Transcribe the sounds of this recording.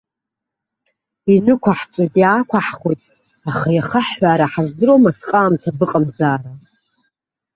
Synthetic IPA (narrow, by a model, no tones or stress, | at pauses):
inɨkʷʰaħt͡sʷʼojtʼjaːkʷʰaħχojtʼ | aχajaχaħːaɾaħazdɨɾomasqʼaːmtʰabɨqʼamzaːɾa